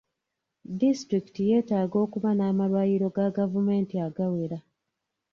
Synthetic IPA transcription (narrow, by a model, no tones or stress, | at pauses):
distɾiki̥tije̞ːtaːɡo̞ːkuβanaːmaβajiɾo̞ɡaɡavume̞ːntiaɡawe̞ɾa